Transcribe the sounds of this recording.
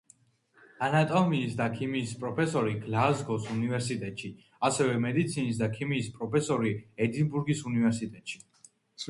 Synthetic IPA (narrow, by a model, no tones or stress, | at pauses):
anat̪ʼɔmiːsd̪akʰimiːspʼɾɔpʰɛsɔɾiɡlazɡɔsunivɛɾsit̪ʼɛt̪ʼʃi | asɛvɛmɛd̪it̪sʰinis̬d̪akʰimiːspʼɾɔpʰɛsɔɾiɛd̪inbuɾɡisunivɛɾsit̪ʼɛt̪ʼʃi̥